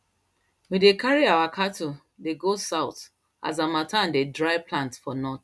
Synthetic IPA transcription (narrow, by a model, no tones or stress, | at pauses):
medekʰaɹiawakʰatʰu | deɡosaʊt | ʔa̰zamataãndedɹaɪplãntfɔnɔt